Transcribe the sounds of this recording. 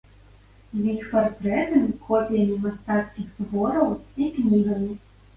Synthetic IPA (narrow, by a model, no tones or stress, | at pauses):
zʲjixpart̪ɾɛt̪ɐmʲikʰɔpʲijɐmʲimast̪at̪skʲiɣzvɔɾɐwiknʲiɣɐmʲi